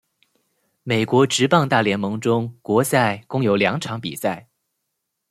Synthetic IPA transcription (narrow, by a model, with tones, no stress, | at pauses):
me˨˩ɪkwɔ˧˥ʈ͡ʂɻ̩˧˥pɑ˥˧ŋt̪a˥˩ljɛ˧˥nmɤ˧˥ŋʈ͡ʂʊ˥ŋkwɔ˧˥sa˥˩ɪkʊ˥ŋjo˨˧˥ʊljɑ˧˥ŋʈ͡ʂʰɑ˧˥ŋpi˨˩sa˥˩ɪ